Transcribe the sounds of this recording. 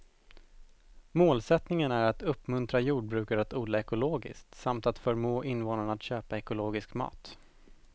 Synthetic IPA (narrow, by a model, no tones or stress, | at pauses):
moːlsɛt̪nɪŋənæɾat̪ɵpːmɵnt̪ɾajuːɖ̚bɾʉ̟ːkaɾat̪uːd̪laɛkʊloːɡɪ̰skt̪samt̪at̪fœɾmoːʔɪnvoːnaɳat̪ɕøːpaɛkʊloːɡɪskmɑ̰ːt̪